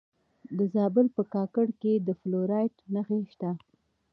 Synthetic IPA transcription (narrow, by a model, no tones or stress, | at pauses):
d̪əzɑbʊlpəkɑkəɽked̪əfloɾɑjʈnaxeʃt̪a